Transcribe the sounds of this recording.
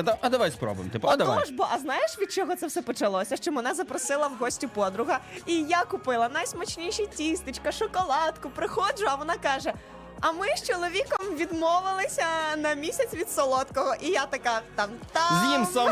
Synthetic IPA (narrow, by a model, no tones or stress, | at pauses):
ɛt̪ɐɐd̪ɐʋajspɾɔ̰bʊʋɪ̰mt̪ɪpɔɐd̪ɐʋaɔʒbɔʔɐznɑjeʃʋʲid̪̚t͡ʃɔɦɔt̪sɛwsɛpɔt͡ʃɐlˠɔsʲɐʃt͡ʃɔmɛnɛzɐpɾɔsɪlˠɐwɦɔsʲtʲʊpɔd̪ɾʊɦɐijakʊpɪlˠɐnɐjsmɐt͡ʃnʲiʃɐjtʲist̪ɪt͡ʃkɐʃɔkɔlˠɑt̪kʊpɾɪxɔd͡ʒʊɐʋɔnɑkɑʒɛ | ɐmɪʃt͡ʃɔlˠɔʋʲikɔmʋʲid̪mɔʋɪlˠɪsʲɐnɐmʲisʲɐt͡sʲʋʲid̪sɔlˠɔt̪kɔɦɔʔijat̪ɐkat̪ɑmt̪azʲimsa